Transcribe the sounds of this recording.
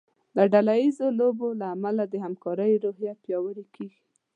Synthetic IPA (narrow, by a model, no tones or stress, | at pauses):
d̪əɖalajizolobolaːmalad̪əhamkɑɾəjɾoɦjapjɑwəɾikʰeɡi̥